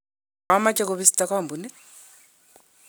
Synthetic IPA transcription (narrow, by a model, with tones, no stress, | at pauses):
a˦ma˦t͡ʃɛ˦kɔ˨βi˦si̥ta˦ka˦˨mbu˨ni˦